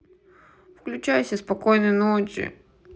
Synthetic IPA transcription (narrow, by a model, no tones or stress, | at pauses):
fklʲʉt͡ɕajʊsʲəspɐkojnəjnot͡ɕʲɪ̰